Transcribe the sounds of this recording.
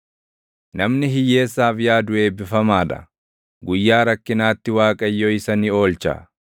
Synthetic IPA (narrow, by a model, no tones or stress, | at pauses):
nɐmnɪɦɪjːe̞ːsːaːfɪjaːd̪ʊe̞ːbɪfɐmaːᶑɐ̰ | ɡʊjːaːɾɐkːɪnaːt̪ːɪwaːkʼɐjːoɪsɐnio̞ːlt͡ʃɐ̰